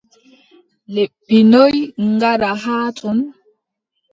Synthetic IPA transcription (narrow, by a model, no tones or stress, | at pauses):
lɛbːinɔjŋɡaɾaɦaːtʼun